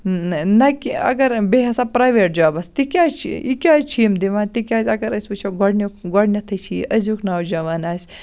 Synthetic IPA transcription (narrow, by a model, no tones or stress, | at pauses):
nɐkiɐ̰ɡɐɾbeɦɐsapɾaːjʋeːʈ̚d͡ʒɐʋabast̪ikʲaːt͡ʃʰḭikʲaːzt͡ʃʰimd̪iʋaːnt̪ikʲaːsʲɐɡɐɾɐsʲbɐt͡ʃʰoɡɔɽnʲokɡɔɽnʲɐt̪ʰɐt͡ʃʰiɐzuknaːwd͡ʒɐʋaːnaːsʲ